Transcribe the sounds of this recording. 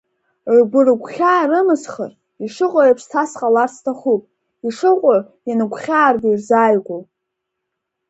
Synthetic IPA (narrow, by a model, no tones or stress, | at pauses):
rɡʷɨrɨɡʷχʲaːrɨmɨsχə̰r | iʂɨqʷʼaapʰstʰasqʼalarsʰtʰaχupʼ | iʂɨqʷʼʊr | janɨɡʷχʲaːrɡirzaːjɡʷo